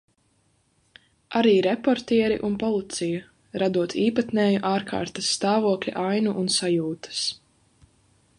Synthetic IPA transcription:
ʔaɾiːɾɛpɔɾt̪iɛɾḭʔunpɔlˠit̪siju | ɾad̪uɔt̪ʰiːpat̪nɛːjuʔaːɾkʰa̰ːɾt̪ɐsːt̪aːvuɔklʲḭʔajnuʔunsajuːt̪ɐ̥s

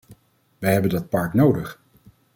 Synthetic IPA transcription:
ʋɛjɦɛbəndɑt̚pɑɹknowdəχ

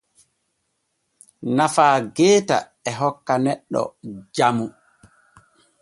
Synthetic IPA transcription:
nafaːɡɛːta̰ | ɛɦɔkːanɛɗːɔ̰d͡ʒamu

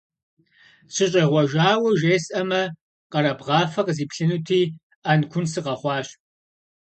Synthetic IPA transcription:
ɕʰɪɕʼɐʁʷɔʒaːwɐʒeːsʼʔɐmɐ | qɐɾɐbʁɑːfɐqziːpʰɬɨnutʰiː | ankʷʰʊnsɨqɐχʷɑːɕ

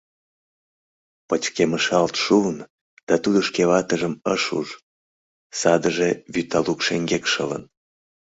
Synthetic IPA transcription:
pət͡ɕkeməʃɑlt̪ʃuən | d̪̥ɑt̪ud̪əʃkeβɑt̪əʒəməʃṵʒ | sɑd̪əʒeβyt̪ɑlukʃeŋɡekʃələ̰n

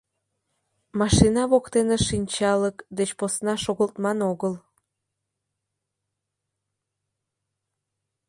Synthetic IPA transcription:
mɑʃinɑβokt̪eneʃinʲt͡ɕɑləkd̪et͡ɕposnɑʃoɣəlt̪mɑnoɣəl

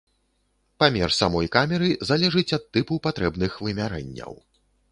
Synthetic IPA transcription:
pamʲɛrsamɔjkamʲɛɾɨzalʲɛʐɨt͡sʲɐt̪ːɨpupat̪ɾɛbnɨxvɨmʲaɾɛ̰nʲːɐ̰w

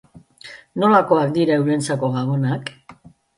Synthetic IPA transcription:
no̞lako̞ak̚d̪iɾaewlent͡sako̞ɣaɣonak

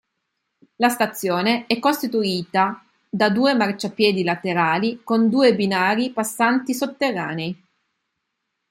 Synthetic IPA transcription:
last̪at̪sːjoːneɛkːost̪it̪uiːt̪a | d̪ad̪uːemart͡ʃapjɛːd̪ilat̪eɾaːlikond̪uːebinaːɾipasːant̪isot̪ːerːa̰ːnei

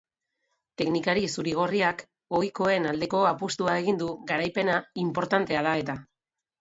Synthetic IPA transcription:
t̪e̞knikaɾisuɾiɣ̞o̞riak | o̞jko̞e̞nald̪e̞ko̞apust̪uae̞ɣ̞ind̪uɣaɾajpe̞naimpo̞ɾt̪ant̪e̞aðae̞t̪a

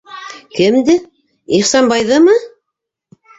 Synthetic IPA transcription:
kɘmd̪ɘ | iχsɑnbɑjðɤmɤ

